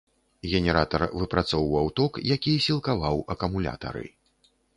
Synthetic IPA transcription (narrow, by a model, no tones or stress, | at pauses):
ɣʲɛnʲɛɾat̪ɐrvɨpɾat̪sɔwvɐwt̪ɔkjakʲijsʲilˠkavawɐkɐmulʲa̰t̪ɐ̰ɾɨ̰